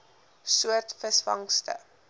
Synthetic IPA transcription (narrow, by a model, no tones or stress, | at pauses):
suərtfəsfɐ̰ŋstə̰